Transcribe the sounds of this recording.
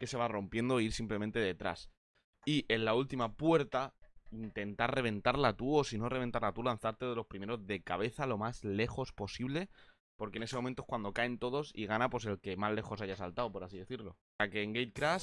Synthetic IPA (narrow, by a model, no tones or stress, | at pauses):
ke̞se̞β̞aro̞mpje̞nd̪o̞iɾsimple̞mẽnt̪e̞ðe̞t̪ɾa̰s | iʔe̞nlault̪imapwe̞ɾt̪aint̪e̞nt̪are̞β̞ẽ̞nt̪aɾlat̪uo̞sino̞ree̞nt̪aɾlat̪ulan̟θaɾt̪e̞ðelo̞spɾime̞ɾo̞zðe̞kaβ̞e̞θalo̞mazle̞xo̞spo̞siβle̞ | po̞ɾke̞nese̞mo̞mẽnt̪o̥kwand̪o̞kae̞nt̪o̞ð̞o̞sḭɣ̞anapwo̞se̞lke̞male̞xo̞saʝasalt̪awpo̞ɾasiðe̞θiɾlo̞̰ | ake̞ːŋɡejt̪̚kɾas